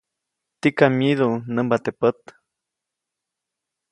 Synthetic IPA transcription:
t̪ikamiðunəmbat̪epət̪

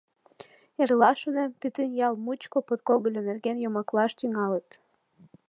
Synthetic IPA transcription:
erlɑʃonempyt̪ynjɑlmut͡ɕkopot̪̚koɣəlʲonerɣenjomɑklɑʃt̪yŋɑlət̪

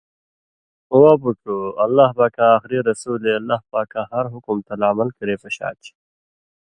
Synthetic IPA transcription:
uwaːbuʈuɐlːaːhbaːkaːxɾiɾɐsuːleɐlːaːhpaːkaɦɐɾɦʊkʊmt̪alaːmɐlkəɾeːpɐɕa̰ːt͡ʃ

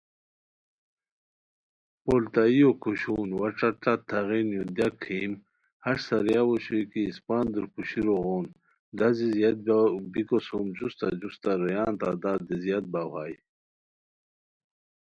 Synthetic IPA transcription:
polt̪aijokʰuɕuːnwaʈ͡ʂaʈat̪ʰaʁinjod̪jakʰim | haʂsaɾjawoɕojkiːspaːnd̪uɾkuɕiɾoɣʁoːn | d̪azizjat̪̚bbikosomd͡ʑust̪ad͡ʑust̪aɾɐjaːnt̪ad̪ad̪izijat̪̚bahaːj

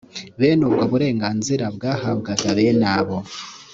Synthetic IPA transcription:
βeːnubɡaβuɾe̞ːŋɡaːnziɾabɡaːhaβɡaɡaβenaβo

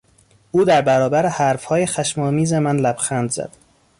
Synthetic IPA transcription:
ʔuːd̪æɾbæɾɒːbæɾehæɾfhɒːjexæʃmɒːmiːzemænlæb̥xæːnd̪zæ̰d̪̥

